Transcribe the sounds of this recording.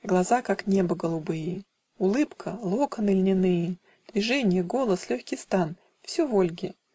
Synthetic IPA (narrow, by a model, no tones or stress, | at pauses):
ɡlˠɐzakaknʲe̞bəɡəlˠʊbɨjɪ | ʊlˠɨpkʰəlˠokənɨlʲnʲɪnɨjɪ | d̪̥vʲɪʐɛnʲɪjəɡo̞lˠəslʲɵçʲkʲɪjst̪an | fsʲuvolʲɡʲɪ